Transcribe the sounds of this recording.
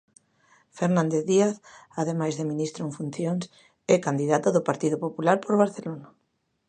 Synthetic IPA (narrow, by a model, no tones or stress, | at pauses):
feɾnãnd̪eðiaθaðemajzðeminist̪ɾoeɱfun̟θjoŋs | ɛkand̪iðat̪aðʊpaɾt̪iðʊpopulaɾpoɾβaɾθelona